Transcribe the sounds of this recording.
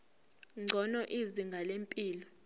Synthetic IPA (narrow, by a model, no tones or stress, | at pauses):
ŋ͡ǀʱɔnɔʔiziŋɡʱalempʼiːlɔ